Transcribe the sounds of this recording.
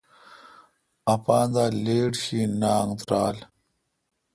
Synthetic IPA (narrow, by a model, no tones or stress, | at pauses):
ɐpaːnd̪aːleːʈɕiːnaːŋt̪ɾaːl